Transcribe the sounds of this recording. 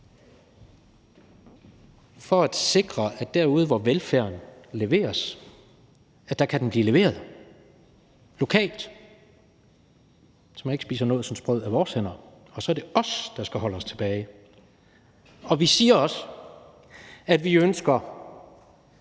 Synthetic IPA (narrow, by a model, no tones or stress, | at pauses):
fɒ̽æd̥se̝ɡ̥ʁɐæd̥æɐ̰uð̞̩ˠəʋɒʋelfæɐnle̝ʋe̝̰ːɐs | æ̥ɑ̈kʰæd̥enb̥liːle̝ʋe̝̰ːɐðˠ | lo̝kʰɛ̰ːld̥ | sɒmæne̝ɡ̥sb̥ḭːsɐnɔːð̩ˠsɒ̽nsb̥ʁœð̞̰ˠæʋɒːshen̰ɐ | ɒ̽sɒ̽æɐɾ̥e̝ɒ̽sd̥ɑ̈sɡ̥æɦɒ̽ləɒ̽st͡sʰe̝b̥ɛːɪ | ɒ̽ʋisiːɐɒ̽s | æd̥ʋiønsɡ̥ɐ